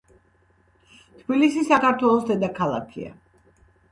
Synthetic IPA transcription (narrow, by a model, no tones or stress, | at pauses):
t̪ʰbilisisakaɾt̪ʰwɛlˠɔsd̪ɛd̪akʰalˠa̰kʰḭa̰